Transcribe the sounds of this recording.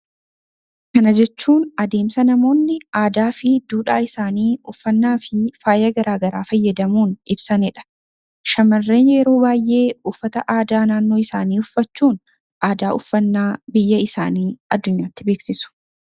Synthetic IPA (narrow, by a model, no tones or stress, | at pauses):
kɐnɐd͡ʒɛt͡ʃːuːnɐd̪e̞ːmsɐnɐmo̞ːnːɪaːd̪aːfɪd̪uːᶑaːɪsaːniːʊfːɐnːaːfɪfaːjːɐɡɐɾaːɡɐɾaːfɐjːɐd̪ɐmuːnɪbsɐnɪᶑɐ̥ | ʃɐmɐrːe̞ːnjɛɾo̞ːbaːjʔe̞ːʊfːɐt̪ɐʔaːd̪aːnaːnːo̞ːɪsaːniːʊfːɐt͡ʃːuːn | ʔaːd̪aːʔʊfːɐnːaːbɪjːɐɪsa̰ːniːɐd̪ːʊɲːaːt̪ːɪbe̞ːksɪsʊ̥